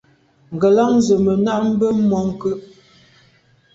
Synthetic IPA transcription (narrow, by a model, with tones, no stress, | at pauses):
ŋ̩˨ɡə˨la˦ŋ˦zə˨mə˨na˦ʔm̩˦bə˦mɔ˨˦ŋ̩˨kə˦ʔ